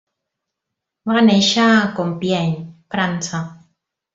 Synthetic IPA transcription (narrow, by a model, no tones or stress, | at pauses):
waaneʃakompjɛɲfɾant͡sa